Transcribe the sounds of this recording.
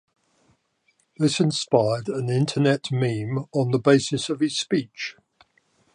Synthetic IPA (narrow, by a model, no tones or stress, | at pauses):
ðɪsɪ̃nspaɪədə̃nɪ̃ntʰənɛʔmĩːmə̃nðəbeɪsɪsəv̥ɪz̥spiˑt͡ʃ